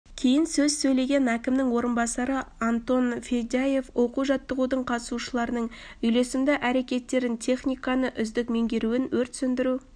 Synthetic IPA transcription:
kʲʰe̞jɪnsɵzsɵjle̞ɡʲe̞nækʲɪmnɪŋwo̞ɾənbɑsɑɾəant̪o̞nfejd̪aje̞fwʔo̞quʒɑt̪ːəʁud̪əɴqʰɑt̪ə̥suʃəlˠɑɾənəɴ | ʏjle̞sɪmd̪ɪʔæɾe̞kʲe̞t̪ːe̞ɾɪnt̪ʲʰe̞χnʲijkɑnəʔʏzd̪ɪkme̞ŋɡʲe̞ɾuɪnwɵɾt̪sʏnd̪ɪɾu

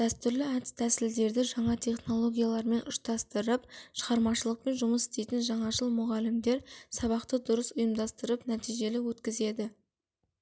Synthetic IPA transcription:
d̪̥æst̪ʏɾlɪæd̪ɪ̥st̪ʰæsɪld̪e̞ɾd̪ɪʒɑɴɑt̪ʰe̞χno̞lˠo̞ɡʲijalˠɑɾme̞nʔʊʃt̪ɑst̪əɾəpʃəʁɑɾmɑʃəlˠəq̚pe̞nʒʊməsɪ̥st̪e̞jt̪ɪnʒɑɴɑʒəlˠmʊʁɑlɪmd̪e̞ɾsɑβɑqt̪əd̪ʊɾəsʊjəmd̪ɑst̪əɾəpnæt̪ijʒe̞lɪwɵt̪kʲɪze̞d̪ɪ

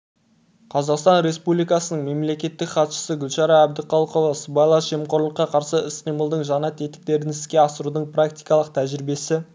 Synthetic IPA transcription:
qʰɑzɑqst̪ɑnɾe̞spublijkɑsənəɴme̞mle̞kʲe̞t̪ːɪkχɑt̪ʃə̥səɡʲʏlʃɑɾɑæb̚d̪ɪqʰɑlˠqovɑsəbɑjlˠɑʒe̞mqo̞ɾlˠəqːɑqʰɑɾsəɪsqijməlˠd̪əɴʒɑnɑt̪ʰe̞t̪ɪ̥k̚t̪e̞ɾɪnɪskʲe̞ɑsəɾud̪əɴpʰrak̚t̪ijkɑlˠəq̚t̪ʰæʒɪɾɪbe̞sɪ

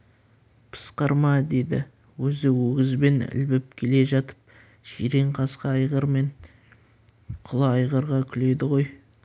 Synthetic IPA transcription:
pʰə̥sqɑɾmɑd̪e̞d̪ɪ̰ | wɵzɪwɵɡʲɪzbe̞nɪ̰lbɪp̚kʲʰe̞le̞ʒɑt̪ə̥p̚ | ʒiɾe̞ɴqʰɑsqɑɑjʁəɾme̞ɴ | qʰʊlˠɑɑjʁəɾʁɑkʲʰʏle̞d̪ɪʁo̞j

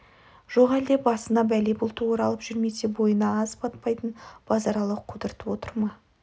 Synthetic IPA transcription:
ʒ̥o̞qæld̪e̞bɑsənɑbælebʊlˠt̪əwoɾɑlˠəpʒʏɾme̞se̞bo̞jənɑɑzpʰɑt̪̚pɑjt̪ənb̥ɑzɑɾɑlˠəqʰʊd̪əɾt̪əpwo̞t̪əɾmɑ

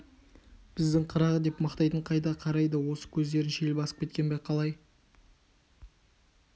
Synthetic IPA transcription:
b̥ɪzd̪ɪŋqʰəɾɑʁəd̪e̞pmɑqt̪ɑjt̪əɴqʰɑjd̪ɑqʰɑɾɑjd̪əwo̞sə̥kʲʰɵzd̪e̞ɾɪnʃelbɑsə̥pkʲʰe̞t̪kʲe̞nbejqʰɑlˠɑj

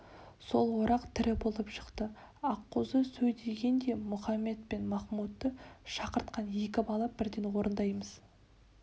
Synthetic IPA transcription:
so̞̰lˠwoɾɑqt̪ʰɪɾɪbo̞lˠəpʃə̥qt̪ə | ɑqːozəsɵjd̪eɡʲe̞nd̪e̞mʊχɑmːe̞t̪̚pe̞nmɑχmut̪ːəʃɑqəɾt̪̚qɑnje̞kʲɪbɑlˠɑbɪɾd̪e̞nwo̞ɾənd̪ɑjməz̥

